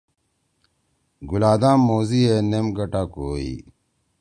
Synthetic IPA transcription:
ɡulaːd̪aːmːoːzienemɡɐʈakoːḭ

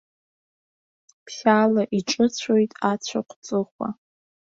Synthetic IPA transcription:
pʰsalaʔiʈ͡ʂʼɨt͡ɕʷʰojtʼat͡ɕʷʰaqʷʰt͡sʼɨχʷa̰

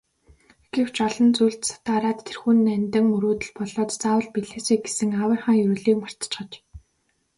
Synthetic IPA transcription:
ɡ̥ew̥t͡ɕɔɮɞ̆nt͡sujɮt̪sḁt̪aːɾaːt̪ʰːerxuːnːænʲt̪ə̆ŋmɵɾoːt̪ɘ̆ɮpɔɮɔːt̪t͡saːwə̆ɮpiɮeːseːɡesɘ̆ŋawə̆rχaːŋjʊːɮiːkmar̥t̪t͡ɕχə̆t͡ɕ

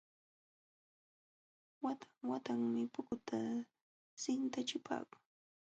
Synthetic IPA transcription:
wat̪aŋwat̪aŋmɪpʊkʊt̪a | sɪnt̪at͡ʃɪpʰa̰ːkʊ̥ŋ

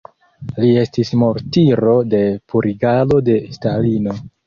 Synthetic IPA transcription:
lie̞stismo̞ɾtiɾo̞de̞puɾʔiɡalo̞de̞stalino̞

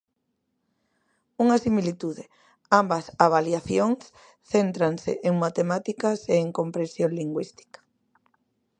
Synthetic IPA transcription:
uŋasimilit̪uðɪ | ambasaβaljaθjoŋs | θent̪ɾaŋsḛʔeŋmat̪emat̪ikɐseːŋkompɾẽnsjoŋliŋɡwist̪i̥kḁ

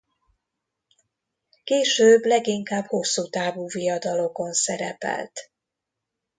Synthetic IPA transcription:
keːʃøːblɛɡiŋkaːbho̞sːut̪aːvuːvijɒd̪ɒlo̞ko̞nsɛɾɛ̰pɛ̰lt̪

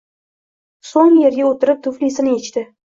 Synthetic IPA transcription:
soŋje̞ɾɡʲaot̪ɪɾɪp̚t̪ʰʊflisɪnɪet͡ʃt̪ɪ

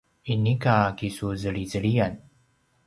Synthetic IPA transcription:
inːikakisuzəɭizəɽijan

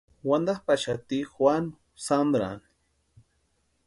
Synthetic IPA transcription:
wand̪aχpaʃat̪ixwan | sand̪ɾa̰n

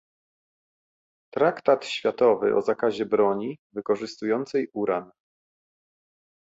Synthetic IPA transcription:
t̪ɾakt̪at̪ɕfʲjat̪ɔvɘ̰ʔɔ̰zakaʑɛbɾɔɲivɘkɔʐɘst̪ujɔnt̪sɛjuɾan

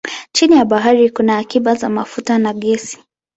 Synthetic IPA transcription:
t͡ʃinijaɓaɦaɾikunaːkiɓazamafutanaɠɛsi̥

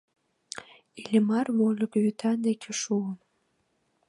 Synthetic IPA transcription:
ilʲemɑrβolʲəkjyt̪ʰɑnd̪ekʰeʃuən

